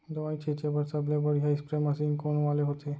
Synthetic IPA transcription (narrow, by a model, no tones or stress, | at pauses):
d̪oʋãit͡ɕʰet͡ɕebəɾsəblebəɽɦjaispɾeməsiŋɡkoɳʋaleɦot̪ʰe